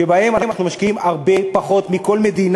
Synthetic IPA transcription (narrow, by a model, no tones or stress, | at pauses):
ebahe̞manamnaχnumaʃkiimaʁbe̞paχo̞t̪miko̞lme̞d̪in